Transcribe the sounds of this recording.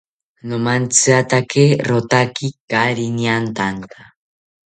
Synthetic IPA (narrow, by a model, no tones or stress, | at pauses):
nomant͡sɨat̪akeɾot̪akikaɾiniant̪ant̪a